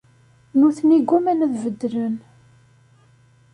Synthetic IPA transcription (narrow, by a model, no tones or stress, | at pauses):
nuθniɡːumænəðvəd̪ːɾən